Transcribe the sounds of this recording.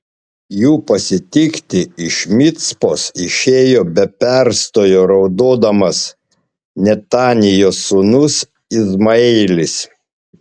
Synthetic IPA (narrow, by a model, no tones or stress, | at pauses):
juːpɐsʲɪt̪ʲɪkt̪ʲɪɪʃmʲɪt̪spoːsɪʃʲeːjoːbʲɛpʲɛɾst̪oːjoːɾɒʊd̪oːd̪ɐmɐs | nʲɛt̪ɑːnʲɪjoːsunʊs | ɪzmɐɛːlʲɪs